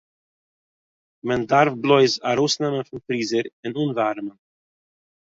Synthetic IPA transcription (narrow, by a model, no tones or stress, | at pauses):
mɛndaɾfblˠɔɪzaɾoːsnɛmənfɪnfɾiːzəɾɪnuːnvaɾmən